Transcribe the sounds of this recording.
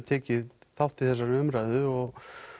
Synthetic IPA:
t̪ʰɛːcɪðθawht̪ɪθɛsːaɾʏmɾajðʏɔɣ

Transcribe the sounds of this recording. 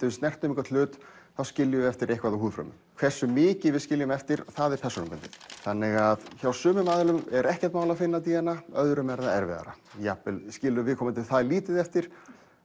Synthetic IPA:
t̪ɪvɪst̪nɛr̥t̪ʏmiŋkvat̪lʏːt̪ | θawscɪljʏɛft̪ɪɾejhkvaɾðahɦuːðfɾœ̰mʏ̰mkʰv̥ɛr̥sːʏmɪːcɪvɪðscɪljʏmɛft̪ɪɾθaðɛɾ̥pʰɛrsunʏmpɛnt̪ɪ̥θanːɪɣaðçawsʏːmʏmaːðlʏmɛɾɛhcɛ̥t̪maːwlafɪnːat̪̬iːɣanaœðɾʏmɛɾðaɛɾvɛ̰ða̰ɾa̰ | japɛlscɪːlːʏvɪðkʰɔmɪnt̪ʰɪθaðliːt̪ɪðɛft̪ɪɾ̥

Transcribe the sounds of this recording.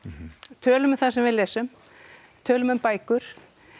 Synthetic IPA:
t̪ʰœːlʏmɪθaðsɛmvɪðlɛːsʏm | t̪ʰœːlʏmʏmpaːjkʏɾ̥

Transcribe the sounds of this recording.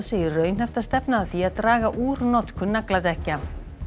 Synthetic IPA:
seːjɪrœːɥn̥hɛft̪ast̪ɛpnaðaθiaðt̪ɾaːɣaʔuːɾnɔt̪kʏnaklaðɛhca

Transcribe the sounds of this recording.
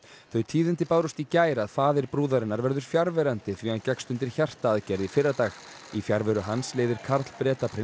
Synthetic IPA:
θœɥt̪ʰiːðɪnt̪ɪpaːwɾʏst̪icaːjɾaðfaːðɪɾ̥pɾuːðaɾɪnːaɾvɛɾðʏɾ̥fjaɾvɛɾant̪ɪθviːancɛkst̪ʏnt̪ɪɾ̥çar̥t̪aːðcɛɾðifɪɾːat̪aːx | ifjaɾvɛɾʏɦansleːjðɪɾ̥kʰaɾt̪l̥pɾɛːt̪apʰɾɪ

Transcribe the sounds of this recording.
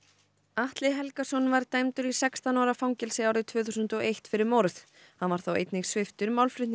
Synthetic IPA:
aht̪lɪɦɛlkasɔnvaɾt̪ajmt̪ʏɾisɛkst̪anɔːɾafawŋcɛlsɪawɾɪt̪ʰv̥œːθusʏnt̪ɔejht̪fɪɾɪɾmowɾθ | hanvaɾ̥θawḛjt̪nɪŋsvɪft̪ʏɾmawlfɾʏt̪n

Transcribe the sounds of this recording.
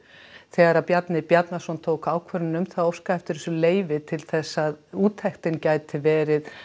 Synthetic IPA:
θɛɣaɾapjat̪nɪpjat̪nasɔnt̪ʰoːwkaːwkʰvœɾɪnʏmθaðowfskaɛft̪ɪɾsʏleːjvɪt̪ʰɪlθɛsːaðuːt̪ʰɛxt̪ɪncaːjt̪ɪvɛːɾɪð

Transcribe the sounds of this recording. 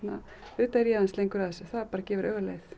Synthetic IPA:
na | ʏːt̪aɾjavanslejŋkʏɾðɛsʏθaðɾpaːɾacɛːvɪɾœɣalḛjθ

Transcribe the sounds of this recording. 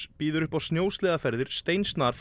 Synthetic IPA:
piːðʏɾʏhpawsnjoːwst̪lɛːðafɛɾðɪɾ̥st̪ejnst̪naɾf

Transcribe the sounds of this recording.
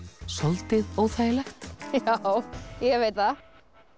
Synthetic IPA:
sɔlt̪ɪðoːwθaːjɪlɛxt̪jawjɛvejt̪a

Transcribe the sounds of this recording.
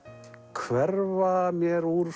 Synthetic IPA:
kʰvɛɾvamjɛɾuɾ

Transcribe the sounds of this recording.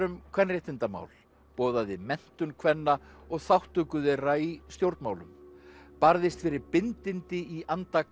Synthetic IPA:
ʏmkʰvɛnrjɛht̪ɪnt̪ama̰wl | pɔːðaðɪmɛn̥t̪ʏnkʰvɛnːaɔɣθawht̪ʏkʏðɛɾaist̪jowɾt̪maːwlʏ̰mpaɾðɪst̪fɪɾɪɾpɪnt̪ɪnt̪ɪiʔant̪a

